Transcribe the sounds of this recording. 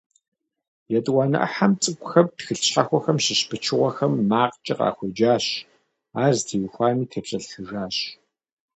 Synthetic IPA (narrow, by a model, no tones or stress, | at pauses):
jɛtʼwɑːnɐ̰ʔɐ̰ħamt͡sʼɨkʷʼxɐptxɨɬɕħaxʷɔxɐmɕɪɕpʰɨt͡ʃʰɨʁʷɔxɐmːaːqt͡ʃʼɪqa̰ːxʷɔd͡ʒaːɕ | aːztʰiːwxʷaːniːtʰɐpɕʼɐɬxɨʒaːɕ